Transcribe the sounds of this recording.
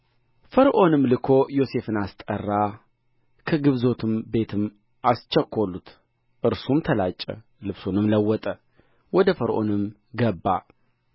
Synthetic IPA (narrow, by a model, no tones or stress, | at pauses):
fəɾʔo̞nɨmlɨkʰo̞jo̞se̞fɨnast̪ʼə̰rːa | kʰəɡɨβzo̞t̪ʰɨmbe̞t̪ʰɨm | ʔast͡ʃːɛkʰʷːolːut̪ | ʔɨɾsumt̪ʰəlat͡ʃʼːə̰ | lɨβsunɨmləwːɔt̪ʼə | wɔd̪əfəɾʔo̞̰nɨm | ɡəbːa̰